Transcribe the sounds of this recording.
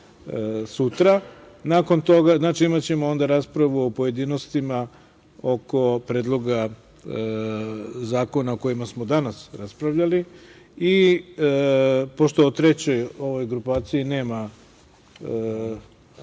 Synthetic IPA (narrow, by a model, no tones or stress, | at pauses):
sut̪ɾa | naːko̞nt̪o̞ɡaznaːt͡ʃiimat͡ɕe̞mo̞o̞nd̪aɾaspɾaʋuopoje̞d̪iːno̞st̪ima | o̞ko̞pɾed̪lˠo̞ɡa | zaːko̞naoko̞jimasmo̞d̪anasɾaspɾaʋʎali | i | po̞ʃt̪oot̪ɾe̞t͡ɕo̞jo̞ʋo̞jɡɾupaːt̪sijine̞ːma